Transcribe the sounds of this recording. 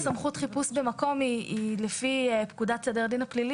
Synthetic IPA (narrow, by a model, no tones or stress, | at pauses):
samχut̪χipusbe̞mako̞miilefiepkudatsed̪eʁd̪inaplili